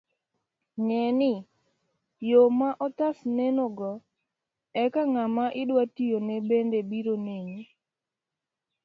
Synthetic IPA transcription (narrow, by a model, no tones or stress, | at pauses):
ŋɛnɪ | jomaʔɔt̪asnenoɡɔ | ɛkaŋamaʔɪdwatijonɛbendebiɾoneɲe